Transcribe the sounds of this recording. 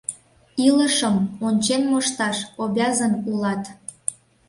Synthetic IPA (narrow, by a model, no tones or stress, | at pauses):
iləʃəmonʲt͡ɕenmoʃt̪ɑʃoβʲɑzənulɑt̪